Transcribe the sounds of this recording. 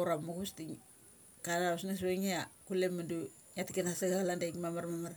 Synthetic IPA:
ɾamukustiŋ | kadausnas̬weŋeakulemandu | ŋatikenasaɡalandakmamaɾmamaɾ

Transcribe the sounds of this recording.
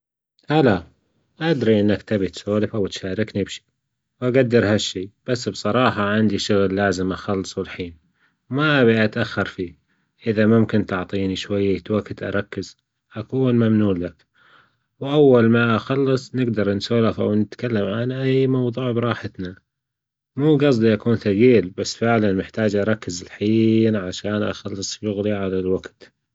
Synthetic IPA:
ʔala | ʔad̪ɾiʔɪnːakt̪abit̪soːlɪfʔawt̪ʃaːɾɪknibʃi̥ː | wʔaɡad̪ːɑɾhaʃːiːb̥asːbsˤɑɾˤɑːħɑʕɪnd̪iʃʊɣlːaːzɪmʔaxɑlːɨsˤwɪlħiːn | maʔabiʔat̪ʔaxːɑɾˤfi | ʔɪðamʊmkɪnt̪ʊʕt̪ˤiːniʃwajːat̪wakɪt̪ʔɑ̰ɾˤɑkːɪz̥ | ʔakuːnmamnuːlːak | wʔawːalmaʔaxɑlːɨsˤnɪɡd̪ɑɾˤnsoːlafa̰wnɪt̪kalːamʕanʔajːmɑwðˤuːʕbɾˤɑːħɪt̪na | muːɡɑs̬ˤd̪ˤiʔakuːnθaɣiːlbasːfɪʕlanmɪħt̪aːd͡ʒʔɑɾˤɑkːɪzɪlħiːnʕaʃaːnʔa̰xɑlːɨsˤʃʊɣliʕalalwaɡt̪

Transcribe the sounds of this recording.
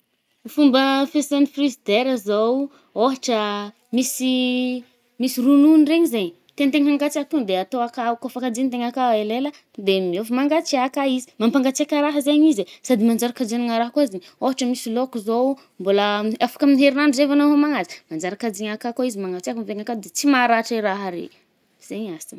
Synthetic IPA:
fumbəfesanifrizid̪eɾəzow | oɦaʈ͡ʂə | misi | misirununireɲizeɲ | t̪ent̪eɲaŋɡat͡sat̪und̪eat̪oakaukofakad͡ʒiɲt̪̬eŋakaelelə | d̪emiofimaŋɡat͡siakaizi̥mampaŋɡat͡seakʲaɾaɦəzeɲizesad̪imand͡ʒaɾakad͡ʒeniŋaɾaɦkoizeɲ | oɦaʈ͡ʂəmisilokuzo | mboləafḁkaminiɦeɾinanzevanaɦomaŋazi̥mand͡ʒaɾakad͡ʒiɲakakoizimaŋɡat͡seakumveŋakad̪et͡simaɾaʈ͡ʂiɾaɦaɾḛ | z̥eɲasin

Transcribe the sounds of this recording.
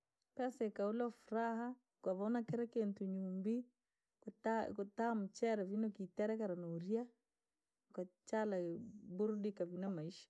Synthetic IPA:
kasɛkaulafuɾaɦa | kwaβaunakɛɾɛkɛntuɲumbi | takutam̩t͡ʃɛɾɛvinɔkitɛɾɛkaɾanuɾia | kwat͡ʃalabuɾdikavinamaiʃḁ

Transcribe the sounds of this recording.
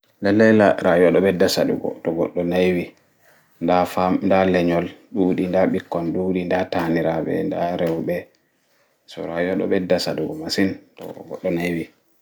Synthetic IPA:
lɛlɛlaɾajɔɗɔɓɛdasa̰ɗṵɡɔ̰tɔɡɔɗːɔnajwi | ndafandalɛɲɔlɗuɗindaɓikːɔnɗuɗindataniɾaɓɛ̰ndaɾɛwbɛ | sɔ̰ɾajɔɗɔ̰ɓɛdasaduɡɔmasintɔ̰ɡɔɗːɔnajwi

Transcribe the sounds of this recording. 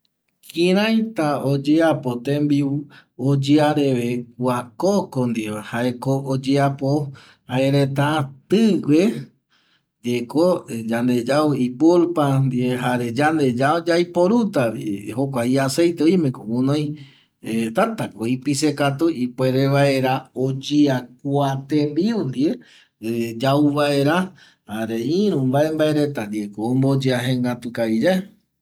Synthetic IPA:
kĩɾ̃ãjt̪aod͡ʒeapot̪ẽmbiuod͡ʒeaɾeʋek̚uakokond̪ieahaekood͡ʒeapo | haeɾet̪at̪ɨwʷe | nd̪iekod͡ʒand̪e̞d͡ʒauipoɾpand̪ieɦaɾed͡ʒand̪ed͡ʒaod͡ʒajpoɾut̪aḭhokʷaiase̞jt̪eojmẽkomũnõj̃ | et̪at̪akoipisekat̪uʔipweɾeʋae̞ɾaod͡ʒiak̚uat̪ẽmbiund̪ie | d͡ʒauβaeɾa | haɾeĩɾ̃ũmbae̞mbaeɾet̪and̪iekoːmbod͡ʒeaɦẽŋɡat̪ukaid͡ʒae

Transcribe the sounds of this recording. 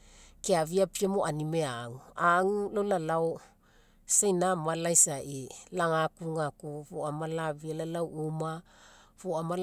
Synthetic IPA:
keaviapiamoʔanimeaŋuaŋulolalaw | sejnamalajsaʔilaŋakuŋakuvuamalavialalawuma | vuamal

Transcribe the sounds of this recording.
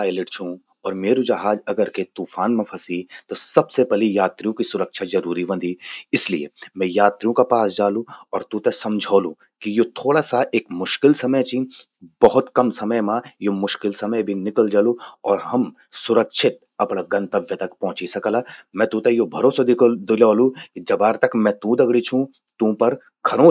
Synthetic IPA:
aːɪlɪʈt͡ʃʰũ | ɔːɾmeːɾũd͡ʒɐɦaːd͡ʒɐɡəɾket̪uːfaːnmẽpʰɐsit̪osɐbsepɛlijaːt̪ɾijõkisʊɾəkʃʰazɐɾuːɾiʋɐ̃nd̪ʱiɪslḭḛmɛ̃jaːt̪ɾijõkapaːsd͡ʒaːlũɔːɾt̪ũt̪esɐmd͡ʒʱaːlũ | kijot̪ʰoːɽasaʔeːkmʊʃkɪlsɐməjt͡ʃĩ | bɐɦʊt̪kɐmsɐməjmãjomʊʃkɪlsɐməjbʱinɪkəld͡ʒaːlũɔːɾɦɐm | sʊɾəkʃʰɪt̪̚ | ɐpɽaɡɐ̃nt̪əʋjət̪ɐkpɔ̃ɦʊ̃t͡ʃisɐkəlamɛ̃t̪ũt̪ɐjobʱɐɾoːsad̪d̪ɪlaːlũkid͡ʒɐbaːɾt̪ɐkmɛ̃t̪ũd̪ɐɡɽit͡ʃʰũ | t̪ũːpɐɾ | ɡʱɐɾõ

